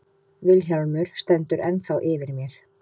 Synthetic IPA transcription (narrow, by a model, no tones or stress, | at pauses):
vɪlçjawlmʏɾ̥st̪ɛnt̪ʏɾʔɛnθawʔɪvɪɾmjɛɾ̥